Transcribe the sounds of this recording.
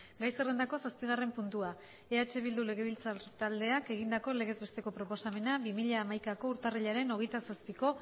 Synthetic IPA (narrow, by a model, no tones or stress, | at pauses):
ɡajsere̞nd̪ako̞saspiɣ̞are̞mpunt̪ua | e̞at͡ʃe̞β̞ild̪ule̞ɣ̞e̞β̞ilt͡sat̪ald̪e̞ake̞ɣ̞ind̪ako̞le̞ɣ̞e̞zβe̞st̪e̞ko̞pɾo̞po̞same̞nabimiʎaːmajkako̞uɾt̪ariʎaɾe̞no̞ɣejt̪asaspiko̞